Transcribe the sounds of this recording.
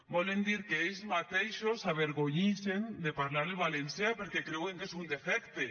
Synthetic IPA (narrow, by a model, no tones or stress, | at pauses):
bɔlend̪iɾkeejzmat̪ejʃosaβ̞eɾɣoɲisend̪epaɾlaɾelβalenseapeɾkekɾeweŋkesund̪efɛkt̪e